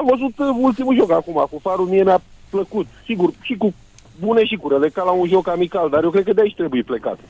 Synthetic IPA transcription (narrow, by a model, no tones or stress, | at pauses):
amvəzut̪ult̪imuʒo̞kakumakufaɾumie̞meapləkut̪siɡurʃiku | buneʃikuɾelekalaunʒo̞kamikald̪arjewkɾe̞d̪̚kəd̪eait͡ʃt̪ɾe̞bujepleka̰t̪